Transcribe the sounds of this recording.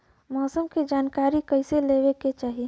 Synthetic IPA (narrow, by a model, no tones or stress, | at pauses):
mɔːsəmked͡ʒaːnkaːɾikəɪseleːweket͡ʃaːɦi